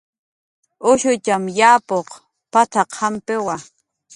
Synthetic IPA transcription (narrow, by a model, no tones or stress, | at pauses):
ʊʃʊt͡ʃamjaːpoq | pat̪ʰaqʰampɪwa